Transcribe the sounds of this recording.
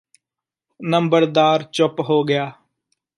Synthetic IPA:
nəmbəɾd̪aːɾt͡ʃʊpɦoːɡɪjaː

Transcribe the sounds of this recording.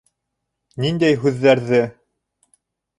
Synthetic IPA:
nind̪æjɦʉðːæɾðɘ

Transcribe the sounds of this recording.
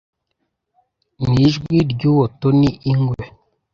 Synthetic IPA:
niʒɡwiɾɟuwotoniʔiŋɡwe

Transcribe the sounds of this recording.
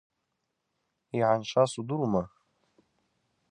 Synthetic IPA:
iʕanʃʷasuduɾuma

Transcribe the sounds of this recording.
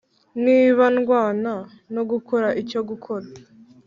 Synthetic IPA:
niːβanɡwaːna | no̞ɡukoɾaʔico̞ɡukʰo̞ɾa

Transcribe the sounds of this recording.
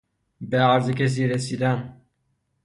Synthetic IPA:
beæɾzecʰes̬iːɾesiːd̪æn

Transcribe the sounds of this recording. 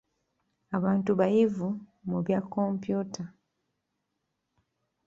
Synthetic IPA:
aβaːntuβajivumuβjakːompjuːtʰa

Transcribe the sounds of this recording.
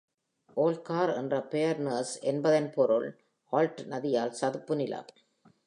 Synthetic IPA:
ʔoːlkaːɾɛ̰ndrɐpejɐɾnɐsɛnbɐðɐnpɔɾɯɭ | aːlʈnɐðɪjaːlsɐðɯpːɯnɪlɐ̰

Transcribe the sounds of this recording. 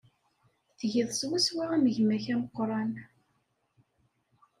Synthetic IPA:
θʝiðˤswæswaʁæməʝmæçæməqːɾˤɑn

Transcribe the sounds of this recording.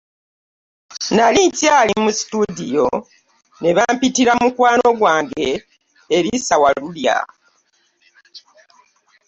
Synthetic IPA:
naliɲcaːlimusi̥tudḭjo̞ | ne̞βampitiɾamukwaːno̞ɡwaːŋɡe̞ː | βisawalulja̰

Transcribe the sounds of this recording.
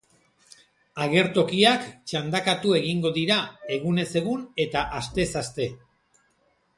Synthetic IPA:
aɣe̞ɾt̪o̞kiakt͡ʃand̪akat̪ue̞ɣiŋɡo̞ðiɾae̞ɣune̞se̞ɣune̞t̪aʔast̪e̞sast̪e̞

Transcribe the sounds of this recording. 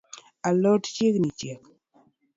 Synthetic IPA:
alɔtt͡ʃeknit͡ʃjek

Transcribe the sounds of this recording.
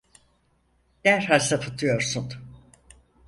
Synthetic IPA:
d̪̥æɾhalsafʰɯt̪ʰɯjo̞ɾsun

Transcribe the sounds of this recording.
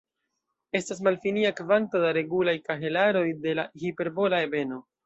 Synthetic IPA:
e̞stas̬malfiniakvanto̞daɾe̞ɡulajkaɦe̞laɾo̞jde̞lahipe̞ɾbo̞lae̞be̞no̞

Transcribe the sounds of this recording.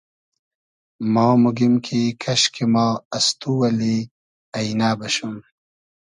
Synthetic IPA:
mɑːmuɡimkʰikʰɐɕkʰemaːɐst̪uwɐli | ɐjnaːbɐɕum

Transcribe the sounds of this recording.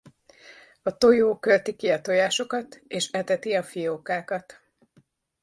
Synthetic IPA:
ɒt̪o̞joːkølt̪ikiɒt̪o̞jaːʃo̞kɒt̪eːʃɛt̪ɛt̪iɒfijoːkaːkɒt̪

